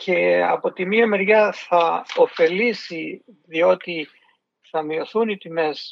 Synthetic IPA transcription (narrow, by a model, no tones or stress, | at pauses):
cʰe̞ɐ̰po̞t̪imiomeɾʝɐθɐo̞fe̞lisi | ðio̞t̪i | θɐmio̞θunit̪ime̞s